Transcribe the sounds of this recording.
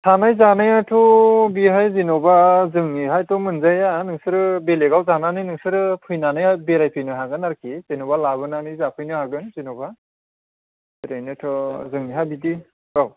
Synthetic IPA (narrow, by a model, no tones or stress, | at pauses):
tʰanajzanajatʰɔbiɦajzinɔbazɯŋniɦajtʰɔmɯnzajanɯŋsɯɾɯbeleɡawzananɯjnɯŋsɯɾɯpʰɯjnanɯjabeɾajpʰɯjnɯɦaɡɯnaɾkʰizenɔbalaβɯnanɯjzapʰɯjnɯhaɡɯnzinoba | tɾenɯtʰɔzɯŋniɦabidi | ɡaw